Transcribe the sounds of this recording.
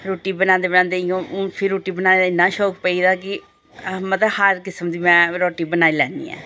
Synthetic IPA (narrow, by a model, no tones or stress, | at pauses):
ɾoːʈiːbənãːnd̪eːbənãːnd̪eːɪjõːpʰɪɾːoːʈiːbənãːneːd̪aɪnːãːʃɔːkpəiːd̪aːkɪ | mət̪ləbhəɾkɪsəmd̪iːmɛ̃ːɾɔːʈiːbənaːilɛ̰̃ːnd̪ḭːɛ̰̃ː